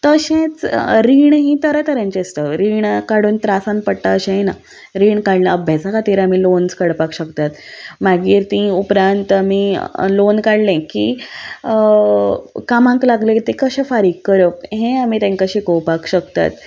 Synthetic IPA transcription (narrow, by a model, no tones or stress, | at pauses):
t̪əɕẽt͡sɾiːɳɦĩt̪əɾət̪əɾjãɲt͡ɕest̪əɾiːɳkaɽuːnt̪ɾasãn̚pəɽʈaəɕẽjena | ɾiːɳkaɽlẽəbʱjat͡sakat̪iɾamilonskəɽpakɕəkt̪at̪maɡiːɾt̪ĩupɾãnt̪amilonkaɽlẽkḭ | kamãŋklaɡlẽkt̪ekəɕãfaɾiːkːəɾəkɦẽamit̪ẽŋkaɕikəwpakɕəkt̪a̰t̪